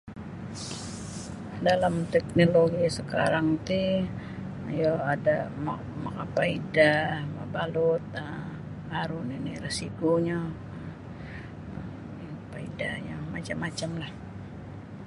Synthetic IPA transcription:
dalamt̪ɛk̚noloɡisəka̰ɾaŋt̪i | jaadama̰ | makapaidama̰balʊt̪̚ə | aɾʊniniresikoɲa | paida̰ɲamat͡ʃamːat͡ʃamlah

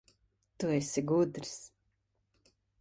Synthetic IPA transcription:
t̪uɛsiɡud̪ɾs

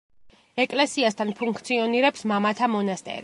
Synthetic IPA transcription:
ɛkʼlɛsiast̪ʰanpʰuŋkʰt̪sʰiɔniɾɛpsmamat̪ʰamɔnast̪ʼɛ̰ɾi

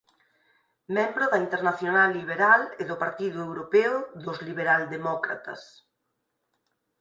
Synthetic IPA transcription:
mɛ̃mbɾʊðɐint̪eɾnaθjonalːiβ̞eɾalɪðʊpaɾt̪iðʊewɾopɛʊðʊzliβ̞eɾald̪emɔkɾa̰t̪ɐ̰s

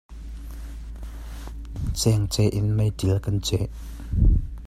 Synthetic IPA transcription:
t͡sɛŋt͡sɛʔɪnmɐjdilkɐnt͡sɛʔ

